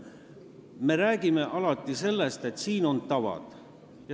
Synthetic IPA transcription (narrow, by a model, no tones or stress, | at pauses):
me̞ɾæːɡ̥ime̞ʔɑlɑt̪ˑːise̞lːe̞st̪e̞t̪siːno̞nt̪ɑvɑ̰d̪̥ | jɑ